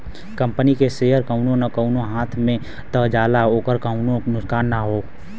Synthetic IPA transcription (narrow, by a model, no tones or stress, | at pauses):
kə̃mpənikeseːɦəɾkəʊnõnəkəʊnõɦaːt̪ʰmẽ | t̪əɦd͡ʒaːlaoːkəɾkəʊnõnʊksaːnːaɦoː